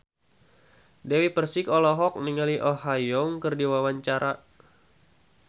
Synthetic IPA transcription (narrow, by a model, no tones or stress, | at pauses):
dɛwipərsikɔlɔɦɔk̚niŋaliʔɔhajɔŋkərdiwawaɲt͡ʃaɾa